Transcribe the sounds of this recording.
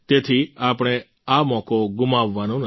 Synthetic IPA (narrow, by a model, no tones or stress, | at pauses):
t̪et̪ʰiapɽ̃e | amɔ̃koɡʊmaʋːanõn